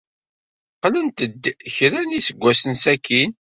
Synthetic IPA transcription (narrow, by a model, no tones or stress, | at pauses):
qlənt̪əd̪çɾænisəɡʷːæsənsækʰːin